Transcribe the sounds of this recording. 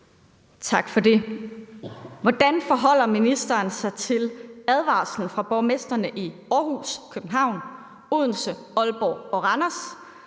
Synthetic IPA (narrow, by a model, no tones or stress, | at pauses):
t͡sʰɑ̈ɡ̥fɒ̽de̝ | ʋɒd̥ænfɒ̽ɦɒ̽l̰ɐminisd̥ɐːnsɑ̈ɪt͡sʰe̝læð̞ˠʋɑ̰̈ːsln̩fʁɑ̈b̥ɒʊmesd̥ɐnəʔiɒːhṵskʰøb̥̚n̩ɦɑ̈ʊ̰n | oð̰ˠn̩sə | ɒ̽lb̥ɒ̰ːɒ̽ʁɑnɐs